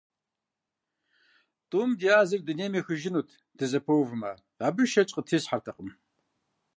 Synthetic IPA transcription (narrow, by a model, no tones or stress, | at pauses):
tʼuːmdijaːzɨrdɨneːmiːxɨʒɪnuːtʰ | d̥ɨzɐpʰɐwvɨma | aːbɨʃɐt͡ʃʼqʼətʰiːɕħartʰɐqʼəm